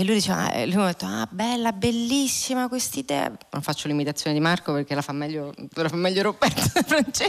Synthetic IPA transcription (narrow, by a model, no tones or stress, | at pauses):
elːujd̪it͡ʃɛːva̰lujmd̪et̪ːoa̰bɛlːabelːisːimakwest̪id̪ɛ̰a̰no̰ɱfat͡ʃːolimit̪at̪sːjoːned̪imarkoperk̟elafamːɛʎːolafamːɛʎːoɾopːɛrt̪fɾant͡ʃɛ